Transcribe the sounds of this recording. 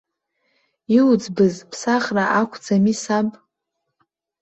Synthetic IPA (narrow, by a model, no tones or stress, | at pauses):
iud͡zbɨzpʰsaχraʔakʷʰd͡zamisapʼ